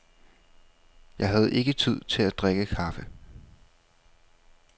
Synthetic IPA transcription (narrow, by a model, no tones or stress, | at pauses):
jɑ̈ɪɦæð̞̩ˠe̝ɡ̥ət͡sʰið̞̰ˠt͡sʰe̝læd̥ʁeɡ̥əkʰɑ̈fə